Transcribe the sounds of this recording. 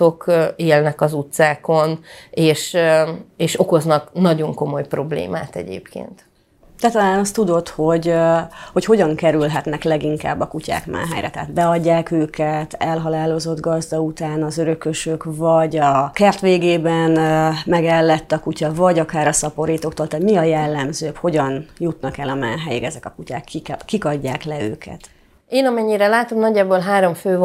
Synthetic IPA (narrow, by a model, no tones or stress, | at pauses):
o̞keːlnɛkɒzut̪saːko̞neːʃ | eːʃoko̞znɒknɒɟo̞ŋko̞mo̞jpro̞blḛːma̰ːt̪ɛ̰ɟḛːpkḛːnt̪ | d̪ɛt̪ɒlaːnɒst̪ud̪o̞t̪ho̞ɟho̞cho̞ɟɒŋkɛɾylɦɛt̪nɛklɛɡiŋka̰ːbːɒkuca̰ːkma̰ːɦɛ̰jɾɛ̰t̪ɛ̰ːd̪bɛɒɟːaːkøːkɛt̪ɛlɦɒlaːlo̞zo̞d̪ɡɒzd̪ɒut̪aːnɒzøɾø̞køʃøkvɒɟɒkɛrt̪ʋeːɡeːbɛnmɛɡɛlːɛt̪ːɒkucɒvɒɟɒkaːɾɒsɒpo̞ɾiːt̪o̞kt̪oːlt̪aːt̪miɒjɛlːɛmzøːkho̞ɟɒnjut̪nɒkɛlɒma̰ːɦɛjikɛzɛkɒkuca̰ːkːikikɒɟːaːklɛø̰ːkʰɛ̰t̪ | eːnɒmɛɲːiɾɛlaːt̪o̞mnɒɟːaːboːlɦaːɾo̞ɱføːv